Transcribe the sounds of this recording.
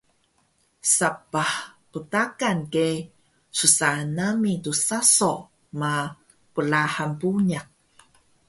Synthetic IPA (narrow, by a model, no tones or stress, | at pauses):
sapahputakanke | susanamitusasoʔ | ma | pəlahampuɲak̚